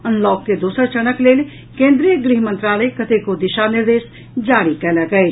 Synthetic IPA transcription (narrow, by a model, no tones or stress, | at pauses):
ɐnlɔːkːed̪uːsəɾt͡ʃɐñəkleːl | kẽːnd̪ɾijəɡɾiɦmə̃nt̪ɾaːləekɐt̪ekod̪ɪʃanɪɾd̪eːs | d͡ʒaːɽikɐlakɐe